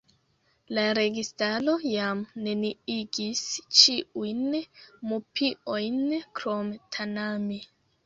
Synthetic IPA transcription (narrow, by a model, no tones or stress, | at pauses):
laɾe̞ɡistalo̞jamne̞niiɡist͡ʃiujnmupio̞jnkɾomtʰanami